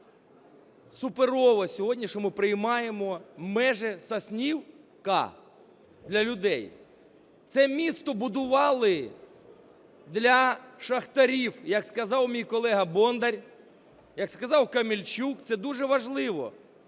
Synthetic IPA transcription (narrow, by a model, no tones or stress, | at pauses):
sʊpeɾɔʋɐsʲɔɦɔdʲnʲiʃɔmɪpɾɪjmɑjemɔmɛʒɛsɐsʲnʲiw | kɑ̰ | d̪lʲɐlʲʊd̪ɛj | t̪sɛmʲist̪ɔbʊd̪ʊʋɑlˠɪ | d̪lʲɐʃɐxt̪ɐɾʲiwjɐkskɐzɑwmʲijkɔlˠɛɦɐbɔnd̪ɐɾʲ | jɐkskɐzɑwkɐmʲilʲt͡ʃukt̪sɛd̪uʐɛʋɐʒlˠɪʋɔ̰